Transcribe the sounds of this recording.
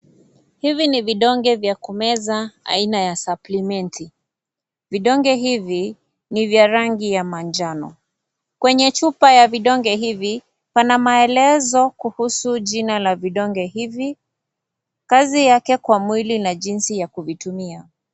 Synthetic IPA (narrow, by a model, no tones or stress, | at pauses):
hiviniviɗɔŋɡɛvjakumɛzaa̰inajasaplimɛntʰi | viɗɔŋɡɛɦivi | nivjaɾaŋɡijamand͡ʒanɔ̰ | kwɛɲɛt͡ʃupajaviɗɔŋɡɛɦivi | panamaɛlɛzɔkuhusuʄinalaviɗɔŋɡɛhivi | kazijakɛkwamwilinaʄinsijakuvitumia